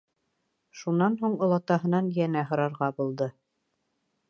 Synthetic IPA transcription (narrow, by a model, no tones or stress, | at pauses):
ʃunːɑnɦuɴŏlˠɑt̪ɑɦɤ̆nɑnjænæɦŏɾɑɾʁɑbulˠd̪ɤ